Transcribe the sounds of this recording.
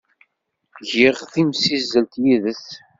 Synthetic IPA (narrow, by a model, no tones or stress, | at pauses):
ʝɪʁθimsizːəlt̪jiðəθ